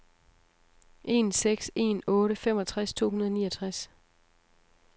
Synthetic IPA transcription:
ʔe̝̰ːnseɡ̥se̝̰nɔ̽ːɾəfemɒ̽t͡sʰʁast͡sʰo̝̰ːɦunɐðˠnḭːɒt͡sʰʁas

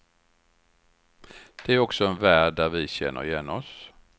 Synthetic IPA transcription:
d̪̥ɛæɾɔksɔɛnvæːɖæɾvɪɕɛ̰nːʔə̰ɾɪjɛnːɔs

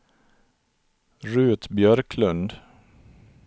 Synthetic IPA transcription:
ɾʉ̟ːt̪bjœɾkʰlɵnd̪

